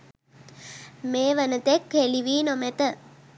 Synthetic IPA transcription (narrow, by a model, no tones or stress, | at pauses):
meːʋənət̪ekeliʋiːnomet̪ə